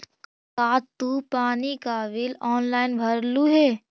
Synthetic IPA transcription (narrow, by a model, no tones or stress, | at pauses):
kaːt̪upaːnikaːʋɪlɔːnlaːɪnbʱɐɾluɦɛː